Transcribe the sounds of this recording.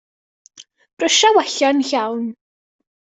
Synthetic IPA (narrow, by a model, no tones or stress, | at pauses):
b̥rəʃawɛɬanɬawn